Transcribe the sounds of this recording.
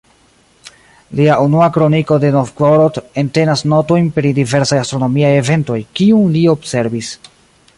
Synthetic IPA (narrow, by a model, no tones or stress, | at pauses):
liaʔunuakɾo̞niko̞de̞nofkoɾote̞nte̞nasno̞to̞jnpɾidive̞ɾsajastɾo̞no̞miaje̞ve̞nto̞jkiunlio̞bse̞ɾbis